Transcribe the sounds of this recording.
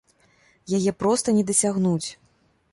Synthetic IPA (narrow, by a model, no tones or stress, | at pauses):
jajɛpɾɔst̪ɐnʲɛd̪ɐsʲaɣnut͡sʲ